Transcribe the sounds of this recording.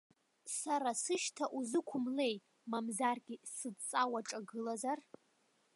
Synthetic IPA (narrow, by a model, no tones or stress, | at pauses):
saɾasɨʃtʰaʔuzɨkʷʰʊmle̞j | mamzarɡʲisɨdt͡sʼawaʈ͡ʂʼaɡɨlazar